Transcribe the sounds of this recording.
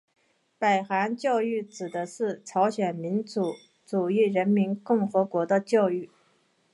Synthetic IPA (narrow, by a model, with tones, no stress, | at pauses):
pa˨˩ɪxa˧˥nt͡ɕjɑ˥˧ʊy˥˩ʈ͡ʂɻ̩˨˩d̪ə˦ʂɻ̩˥˩ʈ͡ʂʰɑ˧˥ʊɕɥɛ˨˩nmi˧˥nt͡su˧˥ | t͡su˨˩i˥˩ɻə˧˥nmi˧˥nkʊ˥˩ŋxɤ˧˥kwɔ˧˥d̪ə˧t͡ɕjɑ˥˧ʊy˥˩